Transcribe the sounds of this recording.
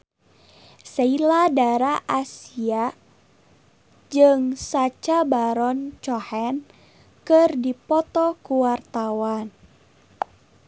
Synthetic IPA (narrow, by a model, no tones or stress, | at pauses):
sailadaɾaʔasia | d͡ʒɨŋsat͡ʃabaɾɔnt͡ʃɔhɛn | kɨrdipɔt̪ɔkuwart̪awan